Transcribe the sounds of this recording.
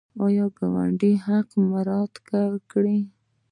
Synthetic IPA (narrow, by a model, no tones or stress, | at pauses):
ɑjɑɡawa̰ɳɖiɦaqmaɾɑd̪kaɾkɽi